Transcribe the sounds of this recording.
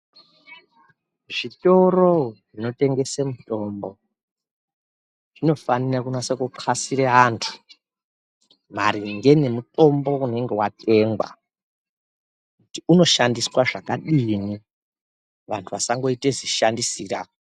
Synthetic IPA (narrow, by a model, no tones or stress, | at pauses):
ʐito̞ro̞ʐino̞te̞ŋɡe̞semuto̞ːmbo̞ | ʐ̥ino̞fanirakunasekuǃʰasiɾeɦaːntʰu̥ | m̤aɾiŋɡe̞ne̞mutʼo̞mbo̞une̞ŋɡe̞watʼe̞ːŋɡwa̰ | kutiuno̞ʃandiswaʐakaɗini | ʋantʰuʋasaŋɡo̞iteziʃandisiːra